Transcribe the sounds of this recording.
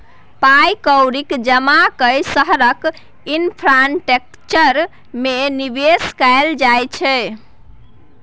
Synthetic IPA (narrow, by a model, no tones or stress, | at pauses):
pajkəwɾikd͡ʒəmakəjsəɦɾək | inpʰɾanʈek̚ | t͡ʃəɾ | menibeskajld͡ʒajt͡ʃʰɛ